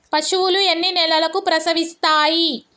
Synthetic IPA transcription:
pɐʃuwuluenːinɛlɐlɐkupɾɐsɐʋist̪aːji

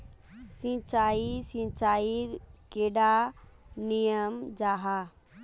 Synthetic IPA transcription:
sĩt͡ʃaːisĩt͡ʃaːikeːɖa | nijəmd͡ʒaːɦaː

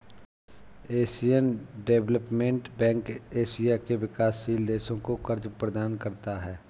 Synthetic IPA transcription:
eːsijənɖeːʋləpmẽɳʈbɛ̃ːŋkeːsijakeʋɪkaːsːiːld̪eːʃõkokəɾd͡ʒpɾəd̪aːnkəɾt̪aɦɛː

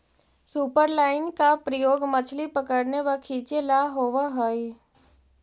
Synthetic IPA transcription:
suːpəɾlaːɪnkapɾəjoːɡmət͡ʃʰlipəkəɾneʋakʰiːt͡ʃelaɦoːʋaɦoi

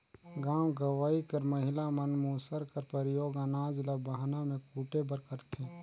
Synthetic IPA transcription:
ɡãːwɡəʋaːikɐɾməɦɪlamənmuːsəɾkəɾpəɾɪjoːɡaːnaːd͡ʒləbaɦnamẽkuːʈebəɾkəɾt̪ʰẽː

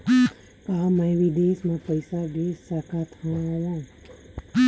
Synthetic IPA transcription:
kaməjʋid̪esmãpəjsaɡesːakʰat̪ʰãajã

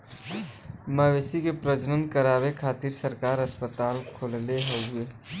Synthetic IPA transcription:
məʋeːsikepɾəd͡ʒnənkəɾaːβekʰaːt̪iɾsəɾkaːɾəspət̪aːlkʰoːlleɦəueː

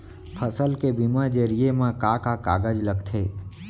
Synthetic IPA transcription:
pʰəsəlkebimãd͡ʒəɾijemãkakaka̰ɡəd͡ʒləɡt̪ʰe

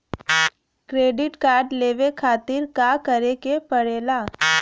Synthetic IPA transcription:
kɾeːɖɪʈkaːɾɖleːʋekʰaːt̪ɪɾkakəɾekepəɽeːlaː

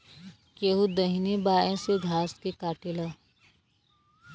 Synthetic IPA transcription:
keɦud̪əɦinebaːẽseɡʱaːskekaːʈɪla

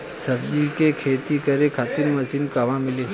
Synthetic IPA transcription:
sɐbd͡ʒikekʰeːt̪ikɐɾekʰat̪ɪɾmɐsinkaʋãmɪle

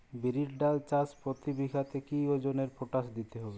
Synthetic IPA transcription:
biɾiʈɖalt͡ɕaspɾot̪ibikat̪ekiod͡ʑoneɾpʰoʈasd̪it̪eɦɔbe

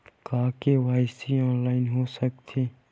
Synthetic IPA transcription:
kaːkewaːɪsiɔ̃ːnlaːɪnɦoːsək̚t̪ʰeː

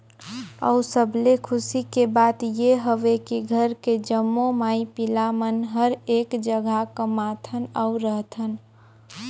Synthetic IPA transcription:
ə̰ʊsəblekʰʊsikebaːt̪jeɦəʋekiɡʱəɾked͡ʒəmːomaːipɪlamənɦəɾeːkd͡ʒəɡakəmat̪ʰənəʊɾəɦt̪ʰən

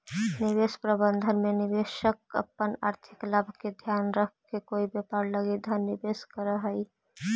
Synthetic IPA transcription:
niβespɾəbənd̪ʱənmenibeʃəkə̰pːəna̰ɾt̪ʰiklabʱked̪ʱjanɾəkʰkekoibjepaɾləɡed̪ʱənːibeskəɾəɦəj

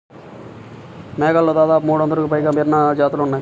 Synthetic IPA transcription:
mɛːɡaːlːoːd̪aːd̪aːpumuːɽɐnd̪ɐɾukupɐjɡaːmiːɾnad͡ʒaːt̪lounːaːj

